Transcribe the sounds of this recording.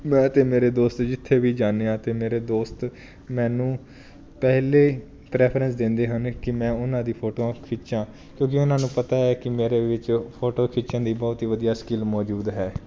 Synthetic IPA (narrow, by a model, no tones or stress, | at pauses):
mɛ̃ːt̪eːmeːɾeːd̪oːst̪d͡ʒɪt̪ʰːeːʋiːd͡ʒaːneːãːt̪eːmeːɾeːd̪oːst̪ | mɛ̃ːnũː | pɛɦleː | pɾɛːpʰɾə̃nsd̪ɪ̃nd̪eːɦənkɪmɛ̃ːʊnãːd̪iːpʰoːʈõːkʰɪt͡ʃãː | kjõːk̬ɪʊnãːnũːpət̪aːɛːkɪmeːɾeːʋɪt͡ʃpʰoːʈoːkʰɪt͡ʃãːd̪iːbɔːt̪iːʋəd̪ijaːskɪlmɔːd͡ʒuːd̪ɦɛː